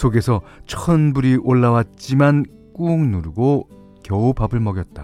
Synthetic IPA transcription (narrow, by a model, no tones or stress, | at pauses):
sʰoɡe̞sʰʌt͡ɕʰʌɯnbuɾiʔoɭːawat̚t͡ɕ͈iman | k͈uŋnuɾɯɡo | kjʌubabɯɭmʌɡjʌt̚t͈a